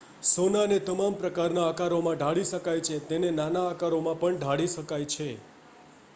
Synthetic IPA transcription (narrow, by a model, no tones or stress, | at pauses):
sonanet̪əmampɾəkaɾnaːkaɾomãɖʱaɽiʃəkajt͡ʃʰet̪enenanaːkaɾomãpəɳɖʱaɽiʃəkajt͡ʃʰe